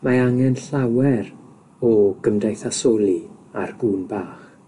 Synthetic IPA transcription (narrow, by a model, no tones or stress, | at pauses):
maaŋɛnɬawɛɾ | ɔɡ̥əmdajθasɔːlˠiarɡuːnbaːχ